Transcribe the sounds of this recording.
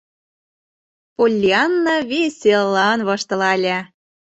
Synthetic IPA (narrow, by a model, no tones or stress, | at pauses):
polʲːiɑnːɑβesʲellːɑnβɤʃt̪ɤ̆lɑlʲæ